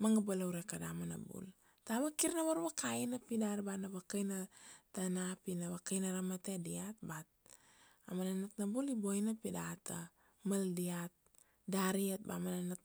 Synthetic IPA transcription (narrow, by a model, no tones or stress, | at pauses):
maŋabalawɾekadamana̰bṵl | taβakiɾnaβaɾbakajnapidaɾbanaβakajnatanapinaβakajnaɾamatediat̚bat̚ | a̰mananatnabulibojnapidata | maldiat̪̚ | daɾiat̚ba̰mananat̚